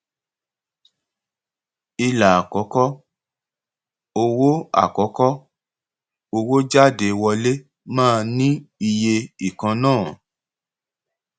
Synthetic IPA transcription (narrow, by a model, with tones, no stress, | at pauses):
i˧la˨a˨kɔ˨˦kɔ˦ | o˧wo˦a̰˦˨kɔ˨˦kɔ˦ | o˧wo˦d͡ʒa˦˨de˨˧wɔ˧le˦ | mãː˦˨˧nĩ˦i˧je˧i˨kã˧nãː˦˨